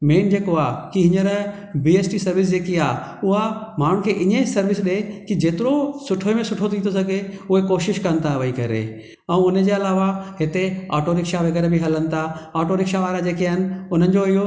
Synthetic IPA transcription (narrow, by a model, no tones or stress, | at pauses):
meːnd͡ʑeːkoaːkiɦɪ̃ɲəɾ | biːeːsʈisɐɾʋɪs̬d͡ʑeːkiaːʊɦamaːɽ̤̃ʊ̃kʰeʔɪɲə̃sɐɾʋɪsɗekid͡ʑeːt̪ɪɾosʊʈʰoemẽsʊʈʰot̪ʰiːt̪ʰosɐɡʱeʊɦekoːʃɪʃkɐənɪ̆t̪ʰaʋəikɐɾḛ | ɛ̃ːʊned͡ʑeːɐlaːʋaɦɪt̪eaɔːʈoːɾɪkʃaʋeɡəɾebʱɪɦɐlənɪ̆t̪ʰaɔːʈoːɾɪkʃaʋaːɾad͡ʑeːkiaɦɪnɪ̆ʊn̤ənɪ̆d͡ʑoɪɦo